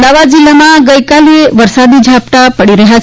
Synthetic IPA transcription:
d̪aʋad̪̚d͡ʒilːamãɡəjkaleʋəɾsad̪id͡ʒʱapʈ̪apəɽiɾəɦa

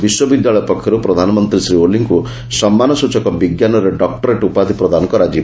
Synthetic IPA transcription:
biswɔbid̪jaɭɔjɔpɔkʰjɔɾupɾɔd̪ʱanɔmɔnt̪ɾisɾioliŋku | sɔmːanɔsut͡ʃɔkɔbiɡjanɔɾeɖɔkʈɔɾeʈupad̪ʱipɾɔd̪ʱanɔŋkɔɾad͡ʒi

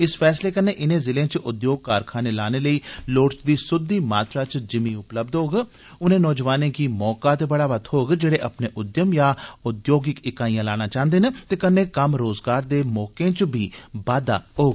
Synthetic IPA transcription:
ɪspʰɛːsleːkənːeːʔɪnẽːzɪlẽːt͡ʃʔʊd̪joːɡ̚kaːɾkʰaːneːlaːneːləiːloːʈsd̪iːsʊd̪iːmaːt̪ɾaːt͡ʃd͡ʒɪmĩːʊpləb̚d̪ɦoːɡ | ʊnẽːnɔːd͡ʒʋaːnẽːkimɔːkaːt̪eːbəɽaːʋət̪ʰɦoːɡd͡ʒeːɽeːʔəpneːʔʊd̪jəmjaːʊd̪joːɡɪkɪkaːĩjãːlaːɽ̃ãːt͡ʃãːnd̪eːnet̪eːkənːeːkəmɾoːzɡaːɾd̪eːmɔːkẽːt͡ʃbiːbaːd̪a̰ːɦoːɡ

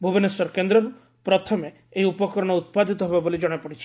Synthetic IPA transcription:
bʱubenesɔɾkend̪ɾɔɾu | pɾɔt̪ʰɔmeː | ɦiupɔkɔɾɔɽ̃ɔut̪̚pad̪ʱit̪ɔɦebabolid͡ʒɔɽ̃epɔɽit͡ʃʰi̥

